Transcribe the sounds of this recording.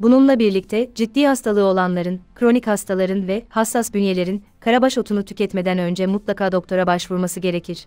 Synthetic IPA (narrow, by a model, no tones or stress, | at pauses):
bununlˠabiɾlʲic̚t̪ʰɛd͡ʒid̪ːiːhast̪ʰalˠɯːo̞lˠanlˠaɾɯnkɾo̞nichast̪ʰalˠaɾɯnvɛhasːasb̪ynje̞lʲe̞ɾinkʰaɾabaʃo̞t̪ʰunut̪ʰy̥cʰʲɛt̪me̞d̪ænø̞nd͡ʒɛmut̪lˠakʰaːd̪o̞k̚t̪ʰo̞ɾabaʃvuɾmasɯɟe̞ɾe̞cʰiɾ̥